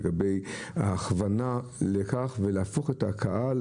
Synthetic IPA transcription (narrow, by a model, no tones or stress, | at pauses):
ɡabe̞jaːχvanalekaχveleafo̞χetakʰaʔal